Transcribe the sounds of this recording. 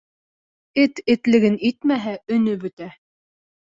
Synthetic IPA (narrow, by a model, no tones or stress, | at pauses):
ɘt̪ɘ̆t̪lɘ̆ɡɘnit̪mæɦæɵ̆nɵbɵ̆t̪æ